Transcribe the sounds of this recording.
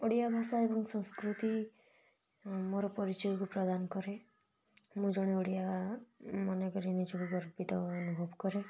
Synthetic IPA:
oɽijabʱasaebɔŋsɔ̃ŋskɾut̪i | mɔɾɔpɔɾit͡ʃɔikupɾɔd̪anɔkɔɾe | mũd͡ʒɔɽ̃eoɽija | mɔnekɔɾinid͡ʒɔɡuɡɔɾpit̪ɔːnubʱɔbkɔɾe

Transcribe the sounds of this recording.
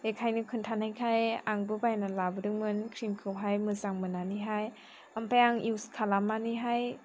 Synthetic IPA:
ekʰajnɯkʰɯntʰanhajkʰajaŋbɯbajnalabɯdɯŋmɯnkʰɾimkʰɯwɦajmɯzaŋmɯnaniɦaj | ampʰajaŋiwskʰalamaniɦaj

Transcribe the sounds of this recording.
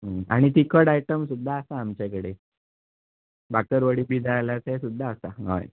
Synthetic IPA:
ɦəa̰ɽ̃it̪ikʰəɽajʈəmsud̪ʱːaəsaːmt͡ɕakəɽe | bakəɾʋəɽiːbʱiːd͡zaajlasesud̪ʱːaːsaɦɔ̰j

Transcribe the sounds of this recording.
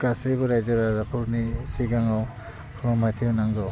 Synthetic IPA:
kasɾibɔɾajzɔɾazapʰuɾnisiɡaŋaw | pʰɾɔmajtʰiwnaŋɡɔw

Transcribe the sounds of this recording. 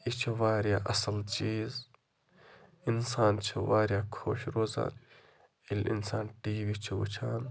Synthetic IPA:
it͡ʃʰiʋaːɾjaːʔɐsɐlt͡ʃiːz | insaːnt͡ʃʰiʋaːɾjaːkʰo̰ːʃɾoːza̰ːn | ilḭnsaːnʈiːʋit͡ʃʰiʋṵt͡ʃʰaːn

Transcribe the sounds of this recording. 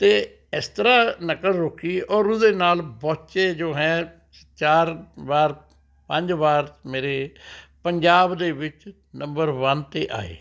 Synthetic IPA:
t̪eː | ɪst̪əɾaːnəkəɽɾʊkʰiːɔːɾʊzeːnaːlbɔːtt͡ʃeːd͡ʒoːɦɛ̃ː | t͡ʃaːɾʋaːɾ | pəɲd͡ʒʋaːɾmeːɾeːpəɲd͡ʒaːbd̪eːʋɪt͡ʃ | nəmbəɾʋənt̪eːʔa̰ːḛː

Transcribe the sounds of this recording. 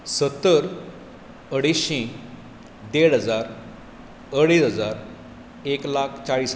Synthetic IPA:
sət̪ːəɾ | əɽisẽ | d̪eɽɦəd͡zaɾ | əɽisəd͡zaɾ | eklakʰt͡saɭis

